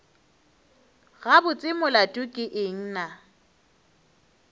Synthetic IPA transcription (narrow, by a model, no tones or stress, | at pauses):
ɣabʊt͡sʼɪmʊlatʼʊkʼɪʔɪŋ̩ːna